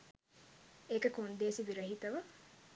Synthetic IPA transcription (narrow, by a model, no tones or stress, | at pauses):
eːkəkond̪eːsiʋiɾɐɦit̪ɐʋɐ